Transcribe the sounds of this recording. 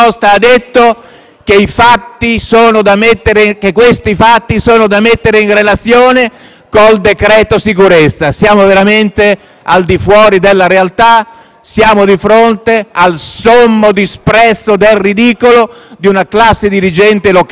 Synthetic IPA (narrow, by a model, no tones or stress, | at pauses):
ɔst̪aːd̪et̪ːo | k̟eifat̪ːisoːnod̪amet̪ːeɾekekːwest̪ifat̪ːisoːnod̪amet̪ːeɾeinrelat̪sːjoːne | kold̪ekɾɛːt̪osikuɾɛt̪sːasjaːmoveɾament̪e | ald̪ifwɔːɾid̪elːaɾealt̪a | sjaːmod̪ifɾont̪ealsomːod̪ispɾɛsːod̪elrid̪iːkolod̪iunaklasːed̪iɾid͡ʒɛnt̪elok